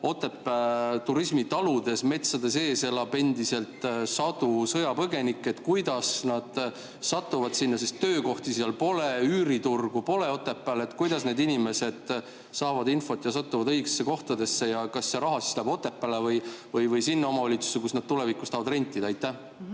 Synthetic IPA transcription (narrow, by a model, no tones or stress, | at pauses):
o̞t̪ːˑe̞pːˑæt̪uɾismit̪ɑlud̪̥e̞sme̞t̪sɑd̪̥e̞se̞ːselɑbe̞nd̪ise̞lt̪ˑsɑd̪̥usɤjɑpɤɡe̞nikːˑe̞t̪ːkujd̪̥ɑsnɑd̪̥ | sɑt̪ːˑuvɑd̪̥sinːɑsest̪ːø̞ːko̞ht̪iseɑlpo̞leyːɾit̪urɡ̥upo̞le̞o̞t̪ːˑe̞pːˑælet̪ːˑkujd̪̥ɑsne̞d̪inʲime̞se̞d̪̥ | sɑːvɑd̪info̞t̪ːˑjɑsɑt̪ːuvɑd̪ɤjɡ̥e̥sːe̞ko̞ht̪ɑd̪e̞sːe̞jɑkɑsːeɾɑɦɑsi̥slæb̥o̞t̪ːˑe̞pːˑælevɤjvɤjvɤjsinːɑo̞mɑɑlʲit̪su̥sekusnɑd̪̥̚t̪ule̞vikust̪ɑːvɑd̪re̞nʲt̪ˑːid̪̥ɑɑjt̪ːæh